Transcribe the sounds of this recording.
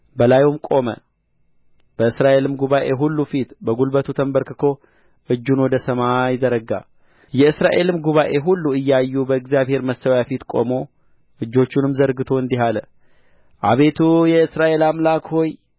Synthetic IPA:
bəlajumkʼo̞mə̰ | b̥əɨsɾaʔe̞lɨmɡuβaʔe̞ɦulːufit̪bəɡulbət̪ʰut̪ʰəmbəɾkɨkʰo̞ | ʔɨd͡ʒːunwɔd̪əsəmajɪd̪əɾəɡa̰ | jɛɨsɾaʔe̞lɨmɡuβaʔe̞ɦulːuɨjːajːubəɨɡzjaβhe̞ɾməsəwjafit̪kʼo̞̰mo̞ | ʔɨd͡ʒːo̞t͡ʃːunɨmzəɾɡɨt̪ʰo̞ɨnd̪iɦalə | ʔaβe̞t̪ʰujɛɨsɾaʔe̞lamlakho̞j

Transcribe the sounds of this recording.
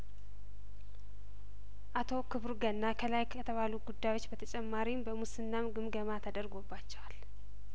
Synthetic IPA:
ʔat̪ʰo̞kʰɨβɾɡənːakʰəlajkʰət̪ʰəβaluɡud̪ːajwo̞t͡ʃːbət̪ʰət͡ʃʼɛmːaɾimbəmusɨnːamɡɨmɡəmat̪ʰəd̪əɾɡo̞bːat͡ʃːɛwal

